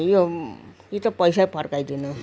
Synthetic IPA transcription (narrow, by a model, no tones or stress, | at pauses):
jokit̪ʌpʌjsapʰʌrkajd̪inʌ